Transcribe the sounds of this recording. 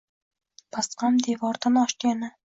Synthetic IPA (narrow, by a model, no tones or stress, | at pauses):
pʰasqɑmd̪evɒɾd̪anɒʃkʲanɪ